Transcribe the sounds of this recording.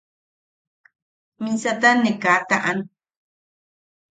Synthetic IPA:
mĩsat̪anẽkat̪ãʔan

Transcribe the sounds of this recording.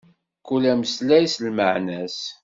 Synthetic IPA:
kulæməslæjslməʕnæs

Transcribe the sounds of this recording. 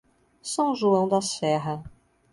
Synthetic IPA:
sɐ̃w̃ʒuɐ̃w̃d̪ɐsɛɦɐ

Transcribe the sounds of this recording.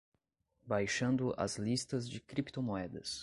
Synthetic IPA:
bajʃɐ̃nd̪ʊʔɐ̰zlist̪ɐzd͡ʒɪkɾipt̪omoɛd̪ɐ̰s

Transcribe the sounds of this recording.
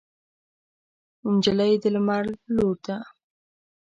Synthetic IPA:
ɪnd͡ʒalajd̪əlmaɽloɾt̪a

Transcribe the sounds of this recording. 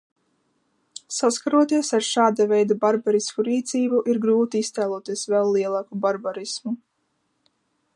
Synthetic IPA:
saskaɾuɔt̪iɛsaɾʃaːd̪avʲɛjd̪abaɾbaɾismuɾiːt̪siːbuʔiɾɡɾuːt̪iist̪ɛːlˠuɔt̪iɛsvɛlˠːiɛlˠɑːkubaɾbaɾismu

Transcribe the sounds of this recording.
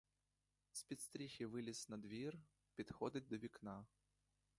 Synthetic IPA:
sʲpʲit̪st̪ɾʲixʲiʋɪlʲisnɐd̪ʋʲir | pʲid̪xɔd̪ɪt̚ʲd̪ɔʋʲiknɑ

